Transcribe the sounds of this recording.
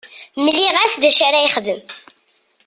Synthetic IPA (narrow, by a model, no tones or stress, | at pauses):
məlːiʁæsðæʃaɾæjiχðəm